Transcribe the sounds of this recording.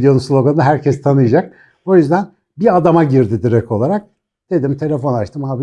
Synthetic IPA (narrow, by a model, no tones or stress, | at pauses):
d̪ejo̞nunslʲˠo̞ɡand̪aɦæɾcʰɛst̪ʰanɯjad͡ʒak̚ | o̞jyzd̪æn | biad̪amaɟiɾd̪id̪iɾɛco̞lˠaɾak̚ | d̪̥e̞d̪imt̪ʰe̞lʲe̞fo̞nat͡ʃt̪ʰɯmaːbi